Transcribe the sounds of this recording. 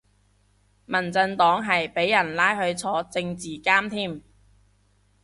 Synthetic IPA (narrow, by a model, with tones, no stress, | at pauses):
mɐ˨˩nt͡sɐ˧nt̪ɔː˨˥ŋɦɐ˨jpe˨˥jːɐ˨˩nlaː˥jɦɵ˧ɥt͡sʰɔː˨˧t͡sɪ˧ŋt͡siː˨kaː˥mt̪ʰiː˥˩m